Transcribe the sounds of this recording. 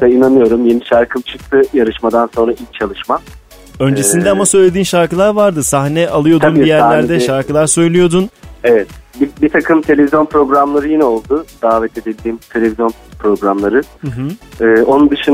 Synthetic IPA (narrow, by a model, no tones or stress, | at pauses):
d̪̥ainanɯjo̞ɾumjeniʃaɾkʰɯmt͡ʃʰɯk̚t̪ʰɯjaɾɯʃmad̪anso̞nɾaʔilʲc̚t͡ʃʰalˠɯʃma | ø̞nd͡ʒe̞sind̪ɛamasø̞jlʲe̞d̪iːnʃaɾkɯlˠaɾvaɾd̪ɯsaxnɛʔalˠɯjo̞d̪unijæɾlʲæɾd̪ɛʃaɾkɯlˠaɾsø̞jlʲijo̞d̪unevɛt̪bibit̪ʰakʰɯmt̪ʰe̞lʲevizjo̞npʰɾo̞ɡɾamlˠaɾɯjinɛo̞lˠd̪ʊd̪̥aːvɛt̪ʰe̞d̪ilʲd̪iːmt̪ʰe̞lʲe̞vizjo̞npʰɾo̞ɡɾamlˠaɾɯɦ̩ːo̞nund̪ɯʃɯn